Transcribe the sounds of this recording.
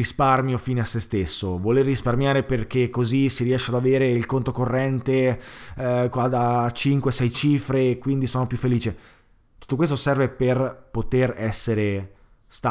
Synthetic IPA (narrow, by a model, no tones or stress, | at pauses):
isparmjofiːneasːest̪esːovolerːisparmjaːɾeperk̟ekːozisiɾiɛʃːead̪aveːɾeilkont̪okorːɛnt̪e | kaat͡ʃiŋkwesɛjt͡ʃiːfɾekwind̪isoːnopjufːeliːt͡ʃe | t̪u̥t̪ːokwes̬t̪osɛrveperpot̪erɛsːeɾe | st̪a